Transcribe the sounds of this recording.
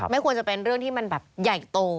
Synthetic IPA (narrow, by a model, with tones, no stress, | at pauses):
ma˥˩jkʰu˧ənt͡ɕa˨˩pe˧nɾɯ˥˩əŋt̪ʰiː˥˩ma˧nbɛː˨˩p̚ja˨˩jt̪oː˧